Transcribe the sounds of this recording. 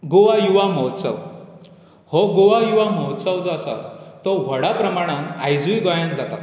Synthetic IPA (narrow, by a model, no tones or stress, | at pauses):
ɡoʋajuʋaməɦt̪sə̰ʋ | hɔɡoʋajuʋamɔɦt̪səʋd͡zasa̰t̪ɔʋəɽapɾəmaɽ̃ãnajd͡zujɡəjãnd͡zat̪at̪